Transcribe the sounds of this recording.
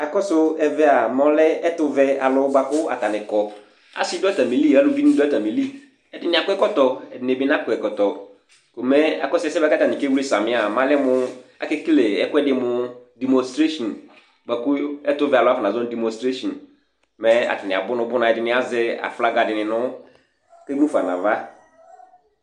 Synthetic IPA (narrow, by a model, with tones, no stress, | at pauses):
a˨kɔ˦sʊ˦ɛ˨vɛ˦a˨mɔ̃˦lɛ˦ɛ˦tʊ˦vɛ˦a˨lʊ˦ba˨kʊ˦a̰˨ta˨nɪ̃˨kɔ˨ | a̰˨sɪ˦dɔ˦ta˨mi˨li˦˨a˦lʊ˨vi˦nĩ˦dɛ˦ta˨mi˨li˦ | ɛ˨dɪ˨nɪ̃˨a˨kʊ˦ɛ˦kɔ˦tɔ˨ɛ˨dɪ˨ne˨bi˦nã˦kʊ˨ɛ˨kɔ˨tɔ˨ | ko˨mɛ˦a̰˨kɔ˦sʊ˦ɛ˨˦sɛ˦ba˦ka˦ta˨nɪ̃˨ke˦wu˦ɾe˦sa˨mɪ̃˦a˨mã˦lɛ˦mʊ˦a̰˨ke˦kle˨ɛ˦kʊ˦ɛ˦dɪ˨mʊ˦di˨mɔ̃˨nstɾe˦ʃɔ˨n | ba˨kʊ˦ɛ˦tʊ˦vɛ˨a˨lɔ˦a˦fa˨nã˨zɔ˦di˨mɔ̃˨stɾe˦ʃɔ˨n | mɛ˦a̰˨ta˨nɪ̃˨a̰˨bʊ˦nʊ̃˦bʊ˦nã˨ɛ˨dɪ˨nɪ̃˨˦a˨zɪ˦a̰˨fla˦ɡa˨dɪ˨nɪ̃˨nʊ̃˦ | ke˦ũ˦fa˨nã̰˨va˦